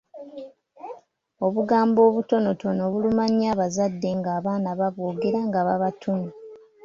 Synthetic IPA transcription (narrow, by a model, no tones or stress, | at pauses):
o̞βuɡaːmbo̞ːβuto̞no̞to̞no̞βulumaɲaːβazadːe̞ŋɡaːβaːnaβaβoːɡe̞ɾaŋɡaβaβatʰuni